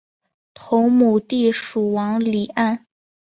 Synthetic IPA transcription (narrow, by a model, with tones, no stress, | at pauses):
t̪ʰo˧˥ŋmu˨˩t̪i˥˩ʂu˨˩wɑ˧˥ŋli˨˩a˥˩n